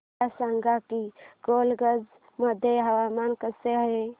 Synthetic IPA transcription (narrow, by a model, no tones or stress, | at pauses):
asaŋɡakiɡoːlɡəd͡ʒ | məd̪ʱeɦəwaːmaːnkəseɦɦe